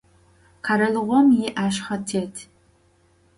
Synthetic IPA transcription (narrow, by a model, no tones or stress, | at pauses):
qʰaɾɐlɨʁʷɔmjɪʔaːʃχɐtʰeːtʰ